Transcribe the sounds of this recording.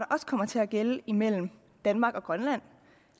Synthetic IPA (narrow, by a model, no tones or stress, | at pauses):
ɾ̥ɑ̈ʔɒ̽skʰɒ̽m̰ɐt͡sʰe̝æɡ̥eləimel̰m̩ | d̥ænmɑ̈ːɡ̥ɒ̽ɡ̥ʁɶnlæn̰